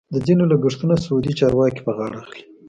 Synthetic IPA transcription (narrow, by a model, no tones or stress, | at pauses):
d̪əd͡zinolaɡəʂt̪unasaud̪it͡ʃɑɾwɑki̥pəɣɑɽaːxli̥